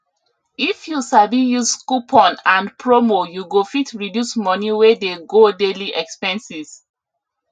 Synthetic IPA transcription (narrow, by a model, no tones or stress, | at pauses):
ifjusabijuzskupʰɔ̃nãnpʰɹomojuɡofitʰɹidjusmɔniwedeɡodeliʔɛkspɛ̃nsiz̥